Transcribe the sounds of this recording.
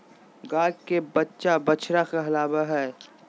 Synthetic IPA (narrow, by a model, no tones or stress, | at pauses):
ɡaːkkebətːʃabət͡ʃʰɾakaɦɐlaːbaɦɛː